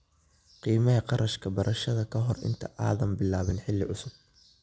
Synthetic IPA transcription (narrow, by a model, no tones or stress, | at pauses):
qiːmɐɦɐqɑɾɐʃkʰɐbɐɾʔɐʃɐðɐkʰɐɦɔrɪ̰nt̪ʰɐʔa̰ːðɐmbɪlaːβɪnħɪlːɪʕʊsʊb̚